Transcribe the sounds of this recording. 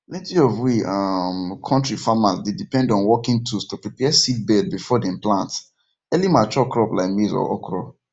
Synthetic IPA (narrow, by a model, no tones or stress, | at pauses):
lɛ̃tiɔvwiamkʰɔ̃ntɹifamazdedipɛ̃ndɔ̃nwɔkĩŋtʰustopɹipɛsit̚bɛd̚bifɔdɛ̃mplãnts | ɛlimat͡ʃɔkɹɔplaɪkmizɔ̰ɔ̰kɹɔ